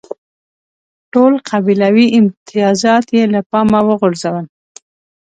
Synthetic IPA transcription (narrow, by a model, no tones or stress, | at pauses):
ʈolqʰabilawiʔɪmt̪ɪjɑzɑt̪jelapɑmawəɣʊɾzawən